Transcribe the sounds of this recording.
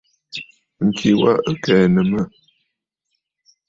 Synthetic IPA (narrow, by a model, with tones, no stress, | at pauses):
ŋ̩˨kʰi˨wa̰˦ə˦kɛː˨nə˨mə˦˨